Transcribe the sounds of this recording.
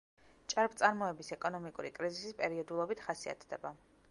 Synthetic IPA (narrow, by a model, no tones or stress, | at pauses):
t͡ʃʼaɾpʰt̪sʼaɾmɔɛbisɛkʼɔnɔmikʼuɾikʼɾizisispʼɛɾiɔd̪ulˠɔbit̪ʰχasia̰t̪ʰd̪ɛba